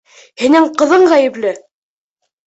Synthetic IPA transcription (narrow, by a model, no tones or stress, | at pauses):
hĭnɘɴqɤ̆ðɤɴʁæjɘ̆plɘ